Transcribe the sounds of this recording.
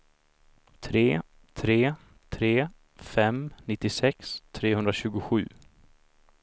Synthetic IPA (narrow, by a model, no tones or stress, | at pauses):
t̪ʰɾeː | t̪ʰɾeː | t̪ʰɾeː | fɛmnɪt̪ːɪsɛkst̪ʰɾeːɦɵnd̪ɾaɕʉ̟ːɡʊɧʉ̟̰ː